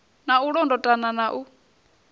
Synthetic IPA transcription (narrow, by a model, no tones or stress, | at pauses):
nauɺɔndɔtʼananaʔu